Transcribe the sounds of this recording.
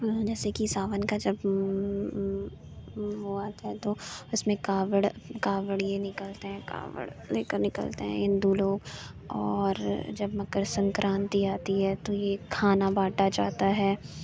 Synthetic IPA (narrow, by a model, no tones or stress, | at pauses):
d͡ʒɛːsekisaːʋənkad͡ʒɐb | ʋoaːt̪aɦɛt̪oʊsmẽkaːʋəɽkaːʋəɽjenɪkəlt̪eɦɛ̃ka̰ːʋə̰ɽleːkəɾnɪkə̰lt̪ḛɦɛ̰̃ɪ̃nd̪uloːɡ | ɔːɾd͡ʒɐbmɐkəɾsɐ̃ŋkɾʔãːnt̪iaːt̪iɦɛt̪ojekʰaːnabaːʈat͡ʃa̰ːɦt̪aɦɛː